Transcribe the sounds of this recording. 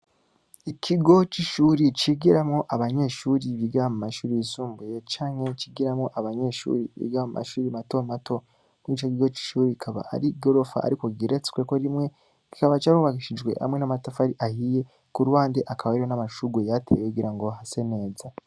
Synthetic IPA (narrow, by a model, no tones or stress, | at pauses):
ikʰiɡo̞t͡ʃiʃuːɾit͡ʃiɡiɾamŋo̞ʔaβaɲe̞ʃuɾiβiɡamumaʃuːɾijisuːmbuje̞t͡ʃaːŋ̥he̞t͡ʃiɡiɾamŋo̞ʔaβaɲe̞ʃṵːɾiβḭɡamumʔa̰ʃuːɾimato̞mato̞ | mwit͡ʃokiɡo̞t͡ʃi̥ʃuːɾikikʰaβa̰a̰ɾiɡo̞ɾo̞fa̰a̰ɾiko̞ɡiɾet͡se̥kwekoɾimŋe̞ | ki̥kaβat͡ʃaɾuβaɡiʃid͡ʒɡwe̞̰ha̰mŋe̞namatafaɾiʔahije̞ | kuɾuwaːndeʔakʰaβaiɾonamaʃuɡwejatʰe̞̰wekuɡiɾaŋɡo̞ɦase̞ne̞ːza